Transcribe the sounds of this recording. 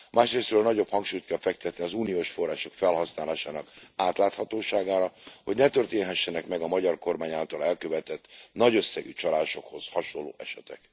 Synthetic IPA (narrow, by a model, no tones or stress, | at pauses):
mʔaːʃreːst̪røːlnɒɟo̞phɒŋkʃuːjt̪kɛlfɛk̚t̪ɛt̪niɒzuːnioːʃfo̞rːaːʃo̞kfɛlɦɒsnaːlaːʃaːnɒkaːt̪laːt̪hɒt̪oːʃaːɡaːɾɒho̞ɟnɛt̪ø̞rt̪eːnɦɛʃːɛnɛkmɛɡɒmɒɟɒrko̞rmaːɲaːlt̪ɒlɛlkøvɛt̪ɛt̪ːnɒɟø̞sːɛɡyt͡ʃɒlaːʃo̞kho̞zhɒʃolːo̰ːʔɛʃɛt̪ɛ̰k